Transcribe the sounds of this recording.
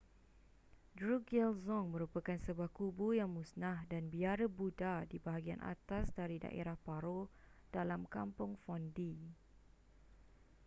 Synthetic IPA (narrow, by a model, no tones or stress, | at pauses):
dɹuɡɛlzɔŋmə̃ɾupakansəbuahkubujaŋmũsnãhdanbiaɾəbudadibaɦaɡia̰nʔa̰t̪asdaɾida̰ʔḛɾahpaɾo | d̥alamkampʊŋfɔndi